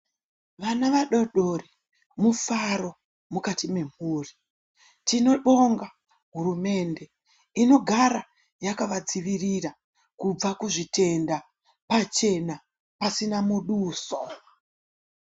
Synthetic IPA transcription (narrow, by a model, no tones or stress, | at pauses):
ʋanaʋaɗo̞ɗori | mufaɾo̞ | mukatime̞m̤uːri | tino̞ɗo̞ŋɡa | ɦuɾume̞nde̞ | ino̞ɡʱaɾa | jakaʋad͡ziʋiriɾa | kub͡vakuʐite̞nda | pat͡ʃe̞na | pasinamuɗuːso